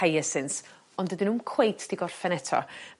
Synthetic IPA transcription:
ajəsɨns | ɔndədɪnuːmkʰw̥ejtʰd̥iɡɔrfɛnɛtʰɔ̰

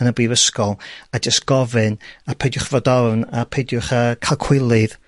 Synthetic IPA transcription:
ənəbiːvəskɔlˠad͡ʒəstɡ̥ɔvɨnapʰedjʊχvɔdɔvnapʰedjʊχəkʰalˠkʰw̥ɪlˠɨð

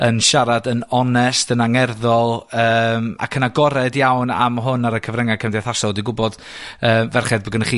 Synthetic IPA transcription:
ənʃaɾadənɔnɛsd̥ənaŋɛrðɔlˠəːma̰kʰənaɡɔɾɛdjawna̰mɦʊnaɾəkʰəvrɛŋakʰəmdɛθasɔlˠdiɡʊbɔd̥ | əːmvɛrχɛdbəɡənəχiː

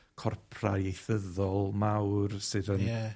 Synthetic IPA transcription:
kʰɔrpʰraejθəðɔlˠmawrsɨðən

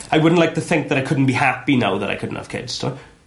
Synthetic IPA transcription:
ajwʊdⁿn̩tˡlaɪk̚tʰəθɪ̃ŋk̚ðəɾaɪkʰʊdⁿn̩b̥ihapinawðə̰ɾa̰jkʰʊdⁿn̩thʰa̰v̥kʰɪ̰dz̥tʰɔ̰

